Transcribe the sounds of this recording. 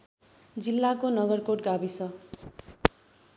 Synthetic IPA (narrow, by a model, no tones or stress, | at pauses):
d͡zilːakonʌɡʌrkoʈ̚ɡabisʌ